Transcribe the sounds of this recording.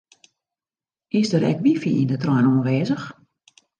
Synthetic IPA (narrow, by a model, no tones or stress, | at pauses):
ɪsdəɾɛ̰kʋifḭindətrɔjnuənʋeːzəx